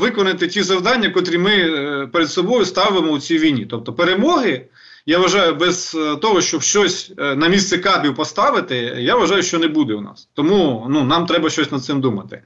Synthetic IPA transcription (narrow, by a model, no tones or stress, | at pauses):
ʋɪkɔnɪt̪ɪtʲizɐwd̪ɑnʲːɐkɔt̪ɾʲimɪpeɾed̪sɔbɔjʊst̪ɑʋɪmɔʊt͡sʲijʋʲijnʲit̪ɔp̚t̪ɔpeɾemɔɦɪ | jaʋɐʒɑjʊbɛz̥t̪ɔɦɔʃt͡ʃɔbʃt͡ʃɔsʲnɐmʲist̪sɛkɑbʲiwpɔst̪ɑʋɪt̪ɪjaʋɐʒɑjʊʃt͡ʃɔnɛbud̪ɛʊnɑ̰st̪ɔmununɑmt̪ɾɛbɐʃt͡ʃɔsʲnɐd̪sɪmd̪umɐt̪ɪ